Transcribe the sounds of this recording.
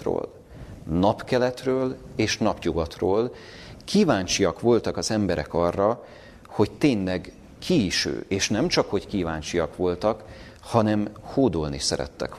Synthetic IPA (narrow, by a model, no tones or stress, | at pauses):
ro̰ːl | nɒpkɛlɛt̪røːleːʃnɒpɲuɡɒt̪roːl | kʰiːvaːɲt͡ʃijɒkʋo̞lt̪ɒkɒzɛmbɛɾɛ̰kɒrːɒ | ho̞ct̪eːnlɛɡ | kʰiːʃø̰ːeːʃnɛmt͡ʃɒkho̞ckiːvaːɲt͡ʃijɒkʋo̞lt̪ɒk | hɒnɛmhoːd̪olniʃsɛ̰ɾɛ̰t̪ːɛ̰k